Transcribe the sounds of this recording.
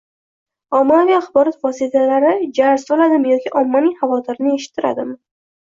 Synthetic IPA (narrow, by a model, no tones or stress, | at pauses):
ɒmːalijaχbɒɾɒt̪vɒsit̪ʰalaɾɪd͡ʒaɾsɒlad̪ɪmjɒkʲiʔɒmːanɪŋhavɒt̪ʰɪɾnɪe̞ʃɪ̥t̪ʰːɪɾa̰d̪ɪm